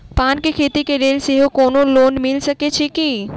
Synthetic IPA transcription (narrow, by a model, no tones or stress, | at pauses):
paːnkekʰeːt̪ikeɾeːlseɦokoːnoloːnmɪlsəket͡ʃʰeki